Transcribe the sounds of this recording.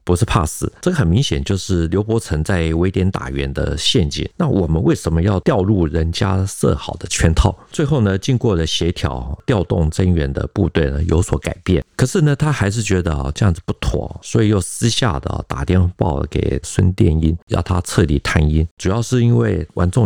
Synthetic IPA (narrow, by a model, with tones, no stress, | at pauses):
pu˧˥ʂɻ̩˥˧pʰa̰˥˩sɹ̩˨˩˦ʈ͡ʂɤ˥˩ɡə˩xə˨˩nmi˧˥ŋɕjɛ̰˨˩nt͡ɕjo˥˧ʊʂɻ̩˥˩ljo˧˥ʊpwɔ˧˥t͡sʰə˧˥ŋt͡sa˥˩ɪwe˧˥ɪt̪jɛ˧˥nt̪a̰˨˩ɥɛ˧˥nd̪ə̰˧ɕjɛ˥˧nt͡ɕḭ˨˩nna˥˩wɔ˨˩mə˦nwʔe˥˩ɪʂə˧˥nmə˧jɑ˥˧ʊt̪jɑ˥˧ʊlu˥˩ɻə˧˥nt͡ɕja̰˥sɤ̰˥˩xɑ˨˩ʊd̪ə˦t͡ɕʰɥɛ˥nt̪ʰɑ˥˩ʊt͡swe˥˧ɪxo˥˩ʊnə˩t͡ɕi˥˧nkwɔ˥˩lə˩ɕjɛ˧˥t̪ʰjɑ̰˧˥ʊt̪jɑ˥˧ʊt̪ʊ̰˥˧ŋʈ͡ʂə˥nɥɛ˧˥nd̪ə̰˧pu˥˧t̪we˥˩ɪnə˩jo̰˧˥ʊswɔ˧˥ka˨˩ɪpjɛ˥˩nkʰɤ˨˩ʂɻ̩˥˩nə˩t̪ʰa˥xa˧˥ɪʂ̬ɻ̩˥˩t͡ɕɥɛ˧˥d̪ə̰˧˨˧ʈ͡ʂɤ˥˧jɑ˥˩ŋd͡z̩˨˩pu˥˩t̪ʰwɔ̰˨˩˦swɔ˧˥i˨˩jo˥˩ʊsɹ̩˥ɕja̰˥˩d̪ə̰˩˨˩t̪a̰˨˩t̪jɛ˥˧npɑ̰˥˩ʊ̰˨˩kḛ˨˩ɪswə̰˥nt̪jɛ̰˥˨ni˥njɑ̰˥˩ʊt̪ʰa˦˥t͡sʰɤ˥˩t̪i˨˩t̪ʰa˥ni˥nʈ͡ʂu˨˩jɑ˥˧ʊʂɻ̩˥˩i˥nwe˥˩ɪwʔa̰˧˥nʈ͡ʂʊ˥˧ŋ